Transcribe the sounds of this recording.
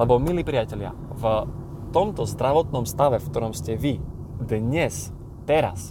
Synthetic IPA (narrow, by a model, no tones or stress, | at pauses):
lɛbɔmiliːpɾijacɛʎɪa̰ | v | t̪ɔmt̪ɔzd̪ɾaʋɔt̪̚nɔmst̪aʋɛfkt̪ɔɾɔmscɛʋi | d̪ɲɛs | t̪ɛɾa̰s